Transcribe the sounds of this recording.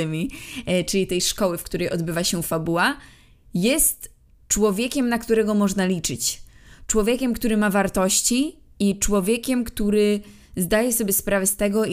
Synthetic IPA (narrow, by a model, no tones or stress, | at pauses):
ɪmʲit͡ʂɘlʲit̪ɛjʂkɔwɘfkt̪uɾɛjɔd̪bɘvaɕɛfabuwa | jɛst̪ | t͡ʂwɔvʲjekʲɛmnakt̪uɾɛɡɔmɔʐnalʲit͡ʂɘt͡ɕt͡ʂwɔvʲjekʲɛmkt̪uɾɘmavaɾt̪ɔɕt͡ɕiit͡ʂwɔvʲjɛkʲɛmkt̪uɾɘ | zd̪ajɛsɔbʲjɛspɾʔavɛst̪ɛɡɔ